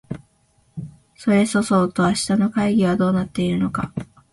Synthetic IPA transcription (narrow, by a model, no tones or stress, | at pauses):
so̞ɾe̞so̞so̞ːt̪o̞aɕi̥t̪ano̞kaiɡʲiβ̞ad̪o̞ːnat̪ːe̞iɾɯ̟no̞ka